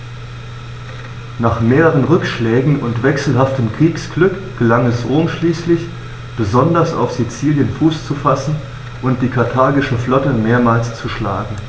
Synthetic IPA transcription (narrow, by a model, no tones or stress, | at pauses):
naːχmeːʁəʁ̞ənʁʏkʃlɛːɡŋ̩ʊntv̥ɛksl̩ɦaftəmkʁ̥iːksɡ̥lʏkɡ̥əlaŋɛsʔoːnʃliːslɪç | b̥əzɔndɐsa̰ʊfz̥it͡siːljənfuːst͡sufasn̩ | ʔʊnt̚d̥iːkʰaɐtʰaɐɡɪʃəflɔtəmeːɐmaːlst͡suʃlaːɡŋ̩